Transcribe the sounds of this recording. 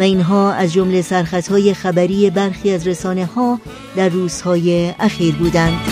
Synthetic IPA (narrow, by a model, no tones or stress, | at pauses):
væinɦɒːæzd͡ʒo̞mle̞sæɾxæt̪hɒːje̞xæbæɾiːebæɾxiːæzɾesɒːne̞hɒː | d̪æɾːuːz̥hɒːjeæxiːɾbuːd̪ænd̪